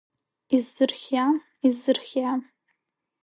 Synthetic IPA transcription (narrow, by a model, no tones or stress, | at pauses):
izːɨrχʲam | izɨrχʲam